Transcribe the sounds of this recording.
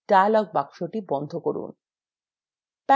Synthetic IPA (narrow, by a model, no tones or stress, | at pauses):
ɖ̥ajalɔɡ̚bakʃoʈibɔnd̪ʱokoɾṵn | pa